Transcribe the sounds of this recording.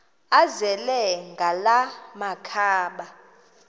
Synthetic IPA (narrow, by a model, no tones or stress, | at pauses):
azɛlɛŋɡʱalamakʰaːɓa